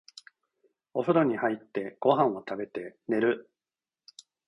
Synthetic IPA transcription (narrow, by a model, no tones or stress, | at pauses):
osoɾo̞ɲ̟ihait̪ːe̞ɡ̥o̞ɦãɰ̃o̞t̪abe̞t̪e̞ne̞ɾɯ̟